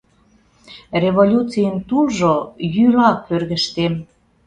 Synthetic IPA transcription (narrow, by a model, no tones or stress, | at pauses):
reβolʲut͡sijəmt̪ulʒojylɑpørɣəʃt̪em